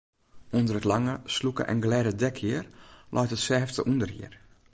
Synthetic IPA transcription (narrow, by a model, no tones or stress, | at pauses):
undərətlaŋəslukə̰ʔɛ̰nɡəlɛːdədɛkʰɪərlʔɔ̰jtətsɛːftə̰ʔundərhḭər